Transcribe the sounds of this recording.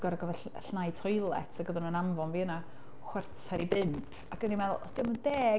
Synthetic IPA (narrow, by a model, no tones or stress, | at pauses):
ɡ̥ɔɾaɡəvɛɬnajtʰɔjlˠɛ̰tʰaɡəðənunamvɔnviəna | χwɛrt͡sʰaɾibɪmpʰ | aɡ̥ənimɛðʊ̰lˠd̥ɪməndɛː